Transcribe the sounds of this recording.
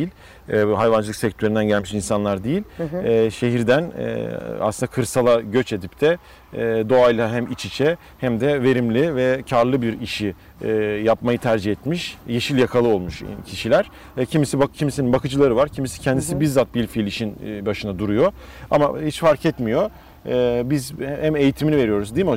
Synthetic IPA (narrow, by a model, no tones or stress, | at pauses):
ilʲ | ɛɦajvand͡ʒɯlˠɯksɛc̚t̪ʰøɾynd̪ænɟælʲmiʃinsanlˠaɾd̪ejilʲːʃe̞ɦiɾd̪ænɛ̰a̰sɯnd̪akʰɯɾsalˠaɟø̞t͡ʃe̞d̪ip̚t̪ʰɛ | d̪o̞ajlʲˠaɦæmit͡ʃʰit͡ʃʰɛ | hæmd̪ɛve̞ɾimlʲivɛcʰaɾlˠɯbiɾiʃi | japmajɯt̪ʰæɾd͡ʒihɛt̪miʃje̞ʃilʲjakʰalˠɯo̞lˠmuʃcʰiʃilʲæɾ̥ | cʰimisibacʰimiseininbakʰɯd͡ʒɯlˠaɾɯvaɾcʰimisi̥cʰɛnd̪isibiɾzat̪̚bilʲfilʲiʃinbaʃɯnad̪uɾujo̞ | a̰ma̰hit͡ʃfaɾcʰɛt̪mijo̞ | bizhæme̞jit̪ʰiminive̞ɾijo̞ɾuzd̪iːmo